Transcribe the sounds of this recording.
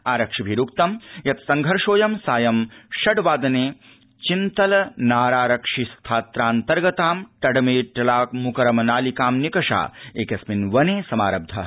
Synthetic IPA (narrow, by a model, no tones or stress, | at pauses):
aːɾɐkʂibʱiɾukt̪ɐmjɐt̪sɐŋɡʱɐɾʂoːjɐmsaːjɐmʃɐɖʋaːd̪ɐneː | t͡ʃint̪ɐlɐnaːɾaːɾɐkʂist̪ʰaːt̪ɾaːnt̪ɐɾɡɐt̪aːmʈɐɖɐmeːʈɐlaːkmukɐɾɐmɐnaːlikaːmnikɐʂa̰ːeːkɐsminʋɐneːsɐmaːɾɐb̚d̪ʱɐ